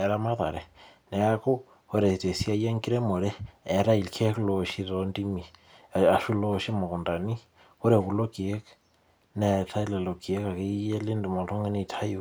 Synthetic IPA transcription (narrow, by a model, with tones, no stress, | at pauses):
ɛ˨ɾa˦ma˦ða̰˨ɾe˨ne˨a˦ko˦ | o˦ɾe˨i˨te˨si˦a˦je˦ŋɡi˦ɾe˦mo˨ɾɛː˦˨ɾa˦i˨lkʰe˦klo˨ʃi˦ɾondi˦mi˨ | a˨ʃu˦loʃi˦mo˨ko˨nda˨ni˦ | o˦ɾe˨ku˨lo˦ki˨e˦k | ne˨tʰa˦i˦le˨lo˨ke˦ka˨ke˦e˦le˦nde˨mo˨to˦ŋe˦ni˦˨tʰa˦ju